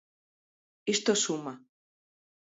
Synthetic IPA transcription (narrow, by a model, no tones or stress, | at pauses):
iʃt̪osuma